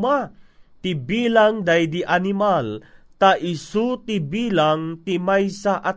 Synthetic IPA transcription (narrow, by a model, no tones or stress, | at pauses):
mat̪ɪbiːlaŋd̪ajd̪iʔanɪmalt̪aʔɪsut̪ibiːlaŋt̪imajsaʔa